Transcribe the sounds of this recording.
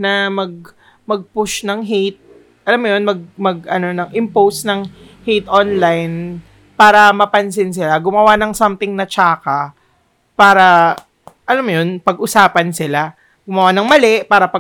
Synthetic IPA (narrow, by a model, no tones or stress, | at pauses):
nɐmɐɡ̚ | mɐɡ̚pʊʃnɐŋɦit̪̚ | ʔɐlamːʊjonmɐɡ̚mɐɡʔɐno̞nɐŋʔɪmpowsnɐŋ | hijt̪ʔonlajn | paːɾɐmɐpɐns̬ɪns̬ɪlaɡʊmɐwanɐŋsɐmt̪ɪŋnɐt͡ʃaːkɐ | paːɾɐ | ʔɐlamːojonpɐɡʔʊsaːpɐnsɪla | ɡʊmɐwanɐŋmɐlɛʔpaːɾɐpɐ